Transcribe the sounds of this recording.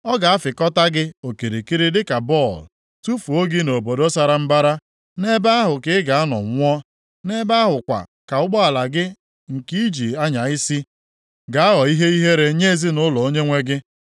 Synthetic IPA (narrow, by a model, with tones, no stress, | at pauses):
ɔ˦ɡa˨a˦fɪ˨kɔ˦ta˦ɡɪ˦o˨ki˨ɾi˨ki˦ɾi˦dɪ˦ka˨bɔ˦˨l | tu˦fu˨o˦ɡi˦no˨bo˨do˦sa˦ɾa˨m̩˦ba˦ɾa˦ | ne˦ba˦a˦ɦʊ˨kɪ˦ɪ˦ɡa˨a˦nɔ̰˨ŋʷ˦ɔ˦ | ne˦ba˦a˦ɦʊ˨kʷa̰˨ka˨ʊ˦ɡ͡bɔ˦a˨la˨ɡɪ˦ | ŋ̩˨ki˦i˦d͡ʒi˨a˦ɲa˨ɪ˦si˦ | ɡa˨a˦ɦɔ˨i˦ɦe˦i˦ɦe˦ɾe˨ɲe˦˨zi˦nʊ˦lɔ˨o˦ɲe˦ŋʷe˦ɡɪ˦